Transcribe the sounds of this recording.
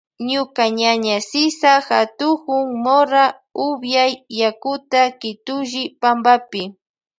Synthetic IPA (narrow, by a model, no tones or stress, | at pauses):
ɲʊkaɲaɲasɪsaxat̪ʊkʊŋmoɾa | ʊbjajːakʊt̪akɪt̪ʊʒɪpambapɪ